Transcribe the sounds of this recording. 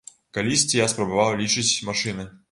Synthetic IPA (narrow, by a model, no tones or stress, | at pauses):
kɐlʲisʲtʲɪjaspɾɐbɐvalˠlʲiʂɨtʲmɐʂɨnɨ